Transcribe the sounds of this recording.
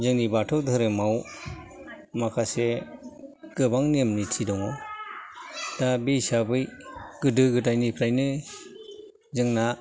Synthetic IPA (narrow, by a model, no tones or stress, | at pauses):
zɯŋnibatʰɔwdɯɾɯmaw | makʰase | ɡ̥ɯbaŋnimnitʰidɔŋaw | d̥abisabɯjɡ̥ɯdɯɡɯtajnipʰɾajnɯ | zɯŋna